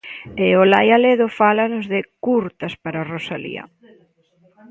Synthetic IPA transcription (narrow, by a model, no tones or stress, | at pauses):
ɪolajaleðʊfalanʊzðɪkuɾt̪aspaɾarosalḭɐ̰